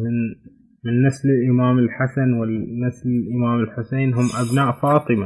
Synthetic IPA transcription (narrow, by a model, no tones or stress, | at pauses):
ɪn | mɪnːaslɪlʔɪmaːmɪlħasanwɪːaslɪlʔɪmaːmɪlħʊseːnɦʊmʔabnaːʔfɑːt̪ˤɨma